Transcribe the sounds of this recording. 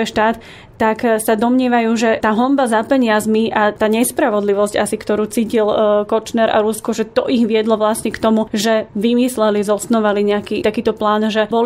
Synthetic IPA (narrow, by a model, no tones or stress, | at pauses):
ɛʃt̪aːt̪ː | aksad̪ɔmɲɪɛʋajuːʒɛt̪aːɦɔmbazapɛɲɪazmiʔat̪aːɲɛspɾaʋɔd̪liʋɔsca̰sikt̪ɔɾuːt͡siːcilkɔt͡ʃnɛɾa̰ɾuskɔʒɛt̪ɔʔiɣʋɪɛd̪lɔʋlasɲɛkt̪ɔmuʒɛʋimislɛlizɔsnɔʋaliɲɛakiːt̪akiːt̪ɔplaːnʒɛbɔl